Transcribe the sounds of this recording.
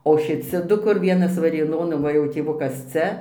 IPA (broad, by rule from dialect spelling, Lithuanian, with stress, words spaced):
oː ʃʲɪˈt͡sʲɪ ˈdʊ kʊr ˈʋʲiɛnɐs ʋɐrʲeːˈnoːn oː ˈʋɐ jɛʊ tʲeːˈʋʊkɐs ˈt͡sʲɛ